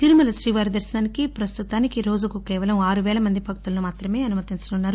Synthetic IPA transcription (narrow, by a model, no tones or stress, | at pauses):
t̪iɾumɐlɐsɾiːʋaːɾid̪ɐɾʃɐnaːnikipɾɐst̪ut̪aːnikiɾo̞ːd͡ʒukukɛːʋɐlɐmaːɾuʋɛːlɐmɐnd̪ibʱɐk̚t̪ulɐnumaːt̪ɾɐme̞ːɐnumɐt̪int͡ʃɐnunːaːɾu